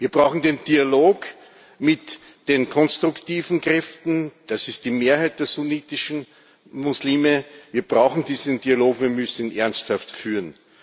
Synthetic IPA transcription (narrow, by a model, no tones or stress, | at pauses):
viːɐb̥ʁaʊxn̩dendialoːk | mɪt | d̥enkʰɔnstʁ̥ʊktiːvn̩kʁ̥ɛftn̩d̥asɪst̚d̥iːmeːɐhaɪt̚d̥eːɐsuniːtɪʃn̩ | mʊsliːməviːɐb̥ʁaʊxn̩diːzənd̥ialoːkviːɐmʏsn̩ʔɛɐnsthaftfyːʁn